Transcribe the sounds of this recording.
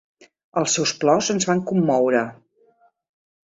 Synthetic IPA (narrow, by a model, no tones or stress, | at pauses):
əlˠsɛwsplɔwzənzβaŋkumːɔwɾə